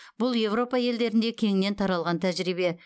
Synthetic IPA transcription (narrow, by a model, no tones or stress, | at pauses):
b̥ʊlˠje̞vro̞pɑje̞ld̪e̞ɾɪnd̪e̞kʲʰe̞ŋɪne̞nt̪ʰɑɾɑlˠʁɑnt̪ʰæʒɾibe̞